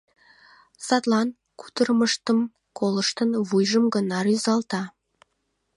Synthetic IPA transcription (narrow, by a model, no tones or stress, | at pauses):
sɑt̪lɑn | ku̥t̪ərməʃt̪əm | koləʃt̪ənβujʒəmɡənɑɾyzɑlˠt̪ɑ